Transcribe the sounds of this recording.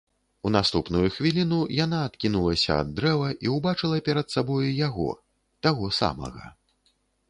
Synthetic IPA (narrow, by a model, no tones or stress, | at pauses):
unast̪upnujuxvʲilʲinujanaːt̪kʲinulˠɐsʲɐ̰a̰d̪ːɾɛvɐʔiuwbat͡ʂɨlˠɐpʲɛɾɐt̪sabɔjujaɣɔ̰ | t̪aɣɔsa̰mɐ̰ɣɐ̰